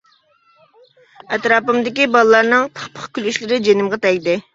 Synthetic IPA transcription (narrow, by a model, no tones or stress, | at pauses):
ɛt̪ɾɑːpɨmd̪ɪkʲibɑlˠlˠɑɾnɨŋt̪ʰə̥χpʰə̥χkʲylyʃlɪɾɪd͡ʒenɪmʁɑt̪ʰɛɡʲd̪ɪ